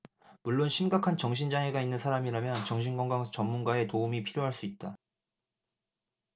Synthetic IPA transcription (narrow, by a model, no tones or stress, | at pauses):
muɭːonɕʰimɡakʰant͡ɕʌŋɕ̬ʰind͡ʑaŋe̞ɡainːɯnsʰaɾamiɾamjʌnt͡ɕʌŋɕʰinɡwʌŋɡaŋt͡ɕʌmːunɡae̞toumipʰiɾjoɦaɭs͈uit̚t͈a